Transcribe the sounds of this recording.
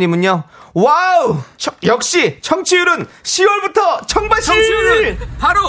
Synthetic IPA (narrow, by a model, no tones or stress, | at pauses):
ɲimuɲowawut͡ɕʰjʌk̚ɕ͈it͡ɕʰʌŋt͡ɕʰijuɾɯnɕʰiwʌɭbutʰʌt͡ɕʰʌŋbat͡ɕʰʌŋʰiuɾɯɾ